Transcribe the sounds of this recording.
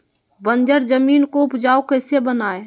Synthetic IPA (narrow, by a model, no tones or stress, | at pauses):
bə̃nd͡ʒəɾd͡ʒəmiːnkoʊpd͡ʒaːokəɪsebənaːe